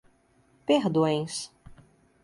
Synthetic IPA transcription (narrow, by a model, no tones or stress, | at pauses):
peɾd̪õj̃s